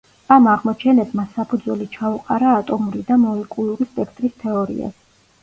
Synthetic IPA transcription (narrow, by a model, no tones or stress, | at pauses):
amaʁmɔt͡ʃʰɛnɛpsʰmasːapʰud̪zwɛlit͡ʃʰauqʼaɾaːt̪ʼɔmuɾid̪amɔlɛkʼulˠuɾispʼɛkʰt̪ʼɾist̪ʰɛɔɾḭa̰s